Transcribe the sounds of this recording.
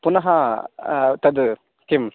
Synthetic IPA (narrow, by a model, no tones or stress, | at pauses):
punaɦa | t̪ad̪ɯ | kim